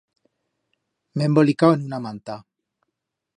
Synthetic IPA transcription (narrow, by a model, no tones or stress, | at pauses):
membolikawenunamant̪a